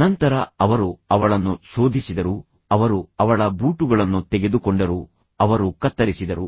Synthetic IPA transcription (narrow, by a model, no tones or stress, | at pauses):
nɐnt̪ɐɾɐɐʋɐɾuɐʋɐɭɐnːuso̞ːd̪ʱisid̪ɐɾu | ɐʋɐɾuɐʋɐɭɐbuːʈuɡɐɭɐnːut̪ɛɡe̞d̪ukɔɳɖɐɾu | ɐʋɐɾukɐt̪ːɐɾisid̪ɐɾu